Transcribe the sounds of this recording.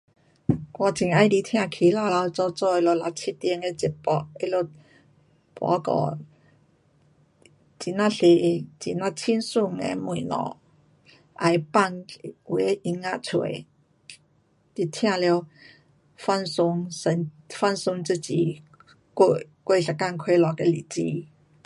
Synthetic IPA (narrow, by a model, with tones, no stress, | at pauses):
kwa˧t͡ɕi˨˩ŋa˧˦jdi˧t̪ʰj̃ã˥˧˨kʰi˨˩la˥˧la˧wt͡sɔ˥˧t͡sɔ˥˧e˧lo˧la˧t͡ɕʰi˦t̪jɛ˧ŋe˧t͡ɕi˨˩t̚pɔ˨˧ʔe˧˦lo˧ | pwa̰˧˦kɔ̰˨˩ | t͡ɕi˨˩na˧ɬe˨˩˧t͡ɕi˨na˧t͡ɕʰi˦nsu˥˧˨ŋḛ˧˦mwũ˨nɔ̰˨˦ | ʔa˨˩jpa˥˧ŋ˨we˨˦ʔi˧ŋa˦˧t͡sʰwḛ˨˦ | t̪i˧t̪ʰj̃ã˥˧lj | fa˥˧˨nsʊ˧ŋsə˧n | fa˥˧nsʊ˧ŋt͡sɨ˧t͡ɕi˨ | kkwe˥˧˨ɬa˨˩ka˥˨nkʰwe˧lɔ˨ke˧li˨˩t͡ɕḭ˧˦